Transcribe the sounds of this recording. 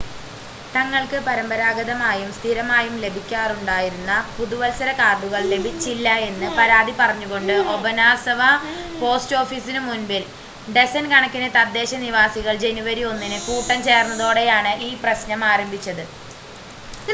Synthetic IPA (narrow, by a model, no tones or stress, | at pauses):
t̪ɐŋːɐɭkɨpɐɾɐmbɐɾaːɡɐðɐmaːjumst̪ʰiɾɐmaːjumle̞bʱikʲːaːruɳɖaːjiɾunːɐpuðuʋɐlsɐɾɐkaːrɖuɣɐɭle̞bʱit͡ɕːilːɐe̞nːɨpɐɾaːd̪ipɐrɐɲːuɣo̞ɳɖɨʔo̞bɐnaːsɐʋɐ | po̞ːsʈo̞ːfiːsinɨmunbil | ɖe̞sɐnkɐɳɐkːinet̪ɐd̪ːe̞ːɕɐniʋaːsiɣɐɭd͡ʑe̞nuʋɐɾio̞nːinɨkuːʈːɐnt͡ɕe̞ːrnːɐðo̞ːɽe̞jaːɳɨʔiːprɐɕnɐmaːɾɐmbʱit͡ɕːɐðɨ